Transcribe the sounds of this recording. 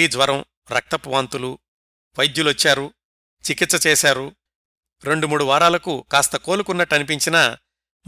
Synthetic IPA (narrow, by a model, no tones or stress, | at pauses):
iːd̪ʋɐɾɐ̃m | ɾɐk̚t̪ɐpʋaːnt̪ulu | ʋɐjd̪juluʋɐt͡ʃːaːɾu | t͡ʃikit̪sɐt͡ʃɛːsaːɾu | ɾe̞ɳɖumuːɽuʋaːɾaːlɐkukaːst̪ɐko̞ːlukunːɐʈːɐnip̬iɲt͡ʃinɐ | m